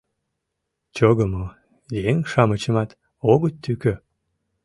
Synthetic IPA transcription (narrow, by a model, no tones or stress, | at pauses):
t͡ɕoɣəmo | jeŋʃɑmət͡ɕə̆mɑt̪ | oɣət̪t̪ːykø